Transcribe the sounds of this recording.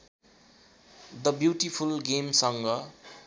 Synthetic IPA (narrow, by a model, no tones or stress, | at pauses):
d̪ʌbjuʈipʰulɡemsʌŋɡʌ